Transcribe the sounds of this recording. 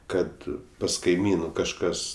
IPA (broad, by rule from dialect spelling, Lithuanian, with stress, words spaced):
ˈkɐt pɐs kɐɪˈmʲiːnʊ kɐʃˈkɐs